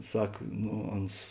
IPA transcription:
ˈsɐk noː ˈɐns

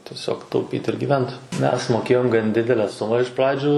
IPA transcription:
tʲiɛˈsʲoːk tɐʊˈpʲiːt ɪr ɡʲɪˈʋʲɛnt ˈmʲɛs ˈmoːkʲeːjoːm ɡɐn ˈdʲɪdʲɛlʲɛ ˈsʊmɐ ɪʃ ˈprɑːd͡ʒʲʊ

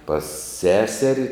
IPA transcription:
pɐs ˈsʲæːsʲɛrʲɪ

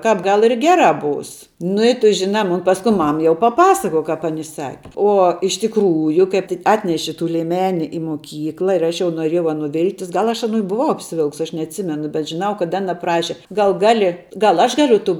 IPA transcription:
ˈkɑːp ˈɡɐlˠ ɪr ˈɡʲæːrɑː ˈbuːs nʊ ɪ ˈtʊ ˈʒʲɪnɑː ˈmʊn ˈpɑːskʊɪ ˈmɐm jɛʊ pɐˈpɑːsɐkoːj ˈkɑːp ɐˈnʲɪ ˈsɑːkʲɪ ˈuɔ ɪʃ tʲɪkˈruːjʊ ˈkɐɪp tʲɪ ˈɑːtʲnʲɛʃʲɪ tuː lʲiɛˈmʲæːnʲɪ ɪ moːˈkʲiːklˠɐ ɪr ˈɐʃ jɛʊ noːˈrʲeːjɛʊ ˈɑːˌnuː ˈʋʲɪlˠktʲɪs ˈɡɐlˠ ɐʃ ɐˈnuː ɪ bʊˈʋɐʊ ɐpʲsʲɪˈʋʲɪlˠks ˈɐʃ nʲɛɐtʲˈsʲɪmʲɛnʊ bʲɛt ʒʲɪˈnɐʊ kɐt ˈɑːnɐ ˈprɑːʃʲɪ ˈɡɐlˠ ˈɡɑːlʲɪ ˈɡɐlˠ ˈɐʃ ˈɡɑːlʲʊ tuː

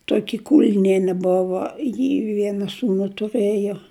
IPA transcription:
ˈtoːkʲɪ ˈkʊlʲnʲiɛnʲɛ ˈbʊʋoː jɪ ˈʋʲiɛnɐ ˈsuːnʊ tʊˈrɘjoː

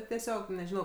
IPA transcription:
tʲiɛˈsʲoːk nʲɛʒʲɪˈnɐʊ

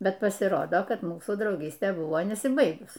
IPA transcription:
ˈbʲɛt pɐsʲɪˈroːdoː ˈkɐt ˈmuːsuː drɐʊˈɡʲiːsʲtʲeː ˈbʊʋoː nʲɛsʲɪˈbɐɪɡʊs

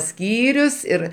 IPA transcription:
ˈsʲkʲiːrʲʊs ɪr

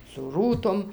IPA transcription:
sʊ ˈruːtoːm

